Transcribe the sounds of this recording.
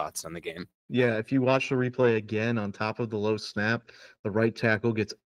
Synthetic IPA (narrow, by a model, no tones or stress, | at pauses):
ɑ̰tsn̩ðɨɡẽɪ̃m | jæɨfjɨwɑt͡ʃðəɹipʰl̥eɪɨɡɛ̃nə̃ntʰɑpʌvðəloʊsnæp̚ðəɹaɪtʰækl̩ˠɡɛts